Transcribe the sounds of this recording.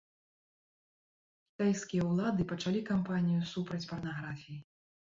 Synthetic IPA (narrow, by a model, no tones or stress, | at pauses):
kʲi̥t̪ajskʲijɐwlˠad̪ɨpɐt͡ʂalʲikampanʲijusupɾɐt͡sʲpɐrnaɣɾafʲiji